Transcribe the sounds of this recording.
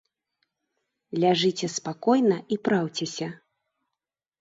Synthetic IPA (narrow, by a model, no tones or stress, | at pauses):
lʲaʐɨt͡sʲɛspakɔjnɐʔipɾawt͡sʲɛsʲɐ